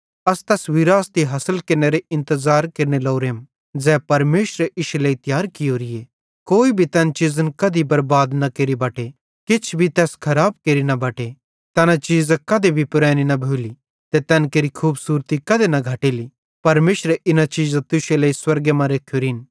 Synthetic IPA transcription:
ɐst̪ɛːsʋɪɾaːst̪iɦɐsəlkɐɾneɾeɪ̃nt̪əzaːɾkeɾnelɐːɾeːm | d͡zɛːpɐɾmeːʃɾeɪʃleːit̪jaːɾkɪjoːɾije | koːibʱit̪ɛːnt͡ʃɪzənkɐd̪ibɐɾbaːd̪nɐkeːɾibɐːʈe | kɪt͡ʃʰbʱit̪ɛːskʰɐɾaːb̚keːɾinɐbɐːʈe | t̪ɛːnãt͡ʃiːzakɐd̪ebʱipʊɾɛːninɐbʱoːli | t̪et̪ɛːnkeɾikʰuːbsuːɾt̪ikɐd̪enɐɡʱɐʈeːli | pɐɾmeːʃɾeʔɪnat͡ʃiːzat̪ʊʃelɐːiswɐɾɡemɐ̃ɾeːkʰːjoːɾiːn

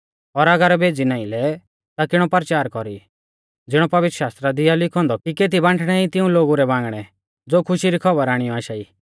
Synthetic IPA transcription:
ɔɾɐɡəɾbeːd͡zinãːĩlɛ | t̪akɪɽ̃ɔpɐɾt͡ʃaːɾkɔɾi | d͡zɪɽ̃ɔpɐʋɪt̪ɾʃaːst̪ɾad̪ɪjalɪkʰɔ̃nd̪ɔikeːt̪̬ibãːɳʈʰɽ̃ɛit̪ɪũloːɡuɾɛbãːŋɡɽ̃ɛ | d͡zoːkʰʊʃiɾikʰɔbəɾaːɽ̃ɪjɔaːʃaːiː

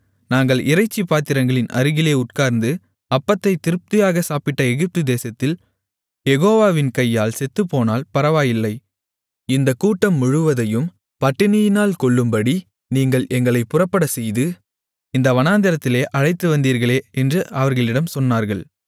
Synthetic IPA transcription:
naːŋɡɐɭɪɾɐɪt͡ʃːipːaːt̪ːɪɾɐŋɡɐɭɪnʔɐ̰ɾɯɣɪleːʊʈkaːɾnd̪ɯ | ɐpːɐt̪ːɐɪt̪ɪɾɯp̚t̪ɪjaːɣɐsaːpɪʈːɐɛɣɪp̚t̪ɯd̪eːsɐt̪ːɪl | jɛɣoːʋaːʋɪnkɐjːaːlsɛt̪ːɯpːoːnaːlpɐɾɐʋaːjɪlːɐɪ | ɪnd̪ɐkuːʈːɐmːʊɻɯʋɐðɐjɯm | pɐʈːɪnɪjɪnaːlkɔɭːɯmbɐɽi | niːŋɡɐɭʔɛŋɡɐɭɐɪpːʊrɐpːɐɽɐsɛjðɯ | ɪnd̪ɐʋɐnaːnd̪ɪɾɐt̪ːɪleːʔɐɻɐɪt̪ːɯʋɐnd̪iːɾɣɐɭeːɛndrɯʔɐʋɐɾɣɐɭɪɽɐmsɔnːaːɾɣɐɭ

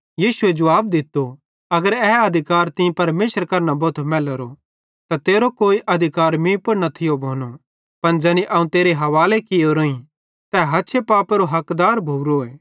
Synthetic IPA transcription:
jiːsʊed͡ʒɐʋaːb̚d̪ɪt̪ːo | ɐɡəɾɛːɐd̪ʱɪkaːɾt̪ɪ̃pɐɾmeːsəɾkɐɾnaboːt̪ʰmɛːləɾo | t̪at̪eːɾokoːiʔɐd̪ʱɪkaːɾmĩpɐɾnɐt̪ʰɪjobʱoːno | pɐnd͡ʒɐniʔɐːũt̪eːɾeɦɐʋaːlekɪjoɾoːĩ | t̪ɛɦɐtːʃʰepaːpeɾoɦɐkd̪aːɾbʱuːɾoeː

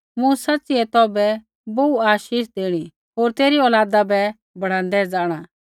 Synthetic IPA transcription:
mũsɐtːt͡siɛt̪ɔːbɛ | bouaːʃiːʃd̪eːɽ̃i | ɦoːɾt̪eːɾiɔːlaːd̪abɛ | bɐɽ̤ãːnd̪ɛd͡zaːɽ̃a

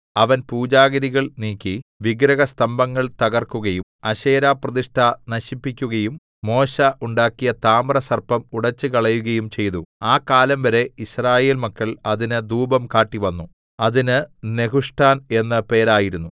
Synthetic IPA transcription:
ɐʋɐnpuːd͡ʑaːɣɐɾiɣɐɭniːkʲːiʋiɡɾɐɣɐst̪ɐmbɐŋːɐɭt̪ɐɣɐrkːuɣɐjumɐɕe̞ːɾaːprɐðiʂʈʰanɐɕipːikʲːuɣɐjumː | o̞ːɕɐʔuɳɖaːkːijɐt̪aːmrɐsɐrpɐmuɽɐt͡ɕːɨkɐɭɐjuɣɐjumt͡ɕe̞jt̪uaːkaːlɐmʋɐɾe̞iɕraːje̞ːlmɐkːɐɭɐðinɨd̪uːbɐmkaːʈːiʋɐnːu | ɐðinɨne̞ɦuʂʈʰaːne̞nːɨpe̞ːɾaːjiɾunːu

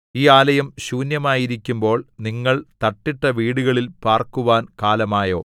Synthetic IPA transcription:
iːaːlɐjɐmɕuːnjɐmaːjiɾikʲːumbo̞ːɭniŋːɐɭt̪ɐʈːiʈːɐʋiːɽuɣɐɭilpaːrkuʋaːnkaːlɐmaːjo̞ː

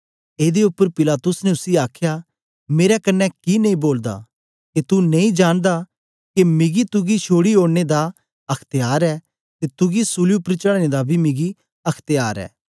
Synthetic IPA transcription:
eːd̪eʊpːəɾpɪlaːt̪ʊsnɛʊsiaːkʰja | meːɾɛkɐnːɛkinɐĩboːld̪a̰ | ket̪unɐ̃ĩd͡ʒaːñd̪a | kemɪɡit̪ʊɡiʃʰoːɽiɦoːɽned̪a | ɐkʰt̪ejaːɾɛː | t̪et̪ʊɡisʊliʊpːɾt͡ʃəɽned̪abʱimɪɡi | ɐkʰt̪jaːɾɛ̰ː

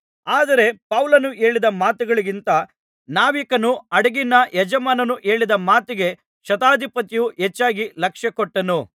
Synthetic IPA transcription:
aːd̪ɐɾe̞pɐwlɐnuʔe̞ːɭid̪ɐmaːt̪uɡɐɭiɡint̪ɐ | naːʋikɐnuɐɽɐɡinɐjɛd͡ʒɐmaːnɐnuʔe̞ːɭid̪ɐmaːt̪iɡe̞ | ʃɐt̪aːd̪ʱipɐt̪ijuɦet͡ʃːaːɡilɐkʂjɐkɔʈːɐnu

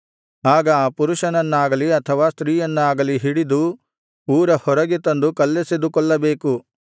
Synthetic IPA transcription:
aːɡɐaːpuɾuʃɐnɐnːaːɡɐliɐt̪ʰɐʋaːst̪ɾiːjɐnːaːɡɐliɦiɽid̪u | uːɾɐhɔɾɐɡet̪ɐnd̪ukɐlːesed̪ukɔɭːɐbe̞ːku

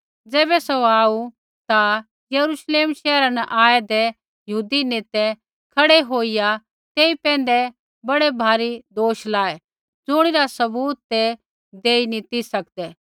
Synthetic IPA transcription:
d͡zɛːbɛsoaːu | t̪a | jɐɾuʃleːmʃɛːɾãnɛʔaːed̪e | jɐɦuːd̪ineːt̪ɛ | kʰɐɽeɦoːija | t̪eːipɛ̃ːnd̪ɛ | bɐɽebʱaːɾid̪oːʃlaːe | d͡zʊɽ̃iɾasɐbuːt̪ːe | d̪eːinĩt̪isɐkd̪ɛː

